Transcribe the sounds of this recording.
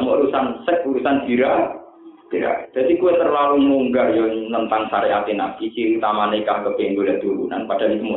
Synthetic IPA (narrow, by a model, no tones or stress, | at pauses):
məʔɾusansɛk̚uɾusanb̥i̤ɾa | b̥iɾa̰d̪̥a̤d̪ikuwet̪ərlalumuːŋɡarjɔnənt̪aŋsaɾeʔat̪ena̰kit͡ʃiɾut̪amanekahkəb̥end̪olaʔt̪uɾṵna̰npad̥a̤likmu